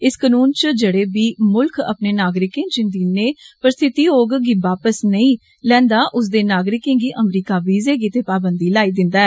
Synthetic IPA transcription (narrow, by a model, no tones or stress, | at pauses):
ɪskənuːnt͡ʃd͡ʒəɽeːbiːmʊlkʰə̰pneːnaːɡɾɪkẽːd͡ʒɪnd̪iːneːpəɾst̪ʰɪt̪iːoːɡɡiːʋaːpəsnəĩː | lɛ̃ːnd̪aːʔʊs̬d̪eːnaːɡɾɪkẽːɡiːʔəmɾiːkaːʋiːzeːɡiːt̪eːpaːbənd̪iːlaːiːd̪ɪnd̪aːɛː